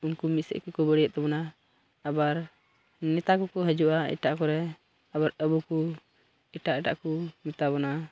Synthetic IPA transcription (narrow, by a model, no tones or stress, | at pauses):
unkumit̪sɛ̰ʔkɛkɔbəɽɛjəʔ̪̚t̪ɛbɔna | abaɾ | nɛt̪akɔkɔɦəd͡ʒuʔaḭʈaʔkɔɾɛ | abaɾəbuku | iʈaʔɛʈa̰ʔkumit̪aβɔna